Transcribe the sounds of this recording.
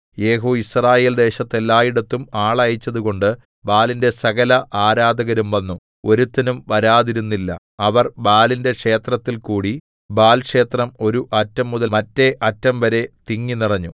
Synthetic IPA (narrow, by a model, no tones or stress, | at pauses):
je̞ːɦoːisraːje̞ːld̪e̞ːɕɐt̪ːe̞lːaːjiɽɐt̪ːumaːɭɐjit͡ɕːɐðuɣo̞ɳɖɨ | baːlinde̞sɐɣɐlɐʔaːɾaːd̪ɐɣɐɾumʋɐnːu | o̞ɾut̪ːɐnumʋɐɾaːðiɾunːilːɐ̰ | ɐʋɐrbaːlinde̞kʂe̞ːt̪rɐt̪ːilkuːɽi | baːlkʂe̞ːt̪rɐmo̞ɾuʔɐtːɐmːuðɐmɐtːe̞ʔɐtːɐmʋɐɾe̞t̪iŋːinirɐɲːu